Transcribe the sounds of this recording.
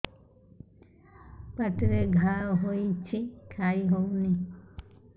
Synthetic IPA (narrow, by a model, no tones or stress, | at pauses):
paʈɾeɡʱaɾoɦojt͡ɕʰikʰajɦowni